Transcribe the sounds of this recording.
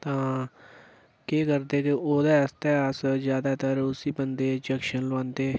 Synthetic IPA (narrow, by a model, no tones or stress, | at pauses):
t̪ãː | keːkəɾd̪eːkeʔoːd̪eːst̪ɛːəszjaːd̪aːt̪əɾʊsiːbənd̪eːd͡ʒəkʃənlʋãːnd̪eː